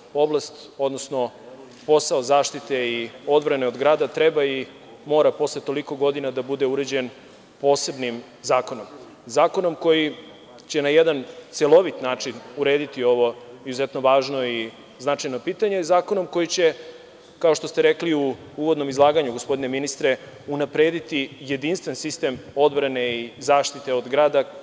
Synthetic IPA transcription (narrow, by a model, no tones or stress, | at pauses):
o̞blast̪ | o̞d̪nosno̞ | po̞saozaːʃt̪it̪e̞io̞d̪vɾaneod̪ɡɾaːd̪at̪ɾebai | mo̞ːɾapo̞slet̪o̞liko̞ɡo̞d̪inad̪abud̪euɾe̞d͡ʑe̞n | po̞ːse̞bnim | zaːko̞no̞m | zaːko̞no̞mko̞ji | t͡ɕe̞najed̪ant̪selˠo̞ʋit̪naːt͡ʂinuɾe̞ːd̪it̪io̞ʋo̞izuzet̪no̞ʋaːʒno̞i | znat͡ʃajno̞piːt̪aɲezaːko̞no̞mko̞jit͡ɕe̞ | kao̞ʃt̪o̞st̪eɾekliu | uʋod̪no̞mizlˠaːɡaɲuɡospo̞d̪ine̞minist̪ɾe̞ | unapɾeːd̪it̪ije̞d̪inst̪ʋensist̪e̞mo̞d̪bɾane̞izaːʃt̪it̪e̞od̪ɡɾaːd̪a